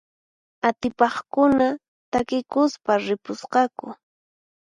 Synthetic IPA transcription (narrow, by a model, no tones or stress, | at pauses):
at̪ɪpɑχkʊna | t̪akɪkʊspaɾɪpʊsqɑkʊ